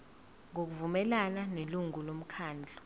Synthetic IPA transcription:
ŋok̬uvumɛlananeluŋulom̩kʰaːnd͡ɮʱɔ̥

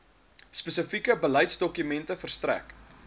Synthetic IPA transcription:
spəsəfikəbəlɐjtsdɔkymɛntəfərstræ̰k

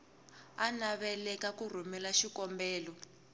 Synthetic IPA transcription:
anaβɛlɛkakur̤umɛlaʃikɔmbɛːlɔ

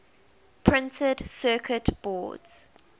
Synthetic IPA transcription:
pʰɹɪ̃ntʰədsɜːˑkʰətb̥ɔ̰ːdz̥

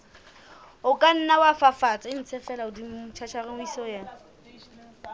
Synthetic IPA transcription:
ʊkʼan̩nawafafat͡sʼaɪn̩t͡sʰɛfɛlaʊdiʊt͡ʃʰat͡ʃʰarɪmʊisɔjɛːna

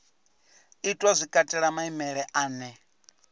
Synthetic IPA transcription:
itʼwazʷikʼatʼɛɺamaimɛɺɛʔaːnɛ

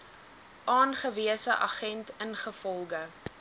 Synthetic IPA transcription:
ʔɑːnχəviəsəʔɑ̰χɛntənχəfɔlˠɡə

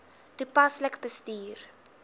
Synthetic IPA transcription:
d̥ipɐsləkbəstiːr

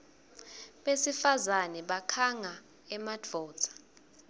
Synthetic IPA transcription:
ɓesifazanɛɓakʰaŋa | ɛmad͡vʱɔ̥ːt͡sʰʼḁ

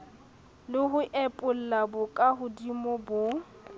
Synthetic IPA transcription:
lɪɦʊʔɛpʼʊl̩labʊkʼaɦʊdimɔbʊ

